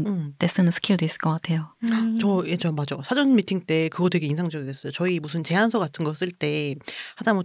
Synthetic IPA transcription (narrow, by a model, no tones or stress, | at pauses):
ɯt͈e̞s͈ɯnɯnsʰɯ̥kʰjuɭdois͈ɯ̥ɭk͈ʌk͈atʰe̞jot͡ɕʌet͡ɕʌmad͡ʑosʰad͡ʑʌnmitʰiŋt͈e̞kɯɡʌtwe̞ɡe̞insʰaŋd͡ʑʌɡiɡes͈ʌjot͡ɕʌimusʰɯnt͡ɕe̞ansʰokatʰɯnɡʌs͈ɯɭt͈e̞hadamo